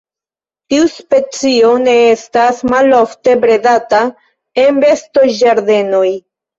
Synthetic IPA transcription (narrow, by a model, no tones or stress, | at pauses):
tiuspe̞t͡sio̞ne̞estasmalofte̞bɾe̞data | e̞nbe̞sto̞d͡ʒaɾd̪e̞no̞j